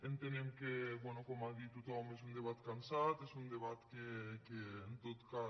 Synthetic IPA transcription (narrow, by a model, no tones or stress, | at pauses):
ent̪enemkebwenokomaðit̪ut̪ɔmes̬und̪eβat̪kansat̪esund̪eβat̪kekeːnt̪ot̪ka